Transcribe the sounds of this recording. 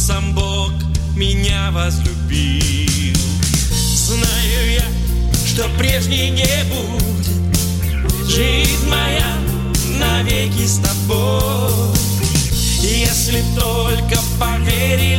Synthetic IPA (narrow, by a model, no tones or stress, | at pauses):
sambok | mʲɪnʲavəzlʲubʲi | lˠ | znajʊja | ʂt̪opɾʲeʐnʲɪjnʲe | bu | dʲɪt̪ | ʐɨzʲnʲmɐja | nɐvʲekʲɪst̪ɐbo | ijesʲlʲɪt̪olʲkəpɐvʲeɾʲɪ